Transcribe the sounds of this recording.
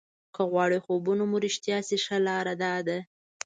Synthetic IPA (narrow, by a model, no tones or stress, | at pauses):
kəɣwɑɽexobunomuɾɪʃt̪jɑsiʂalɑɾad̪ɑd̪a